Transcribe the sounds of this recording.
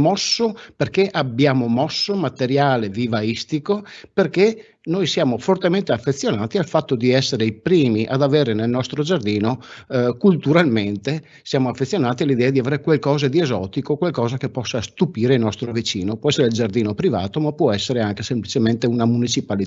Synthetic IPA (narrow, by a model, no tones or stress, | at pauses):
mɔsːoperkeʔabːjaːmomɔsːomat̪eɾjaːlevivaist̪ikoperke | nojsjaːmofort̪ement̪eafːet̪sːjonaːt̪ialfat̪ːod̪iɛsːeɾeipɾiːmiʔa̰d̪aveːɾenelnɔst̪ɾod͡ʒard̪iːnokult̪uɾalment̪e | sjaːmoafːet̪sːjonaːt̪ialid̪ɛːad̪iaveːɾekwalkɔːzad̪iezɔːt̪ikokwalkɔːzakepːɔsːast̪upiːɾeilnɔst̪ɾovit͡ʃiːnopwɔɛsːeɾeild͡ʒard̪iːnopɾiva̰ːt̪omapwɔɛsːeɾeaŋkesemplit͡ʃement̪eunamunit͡ʃipalit̪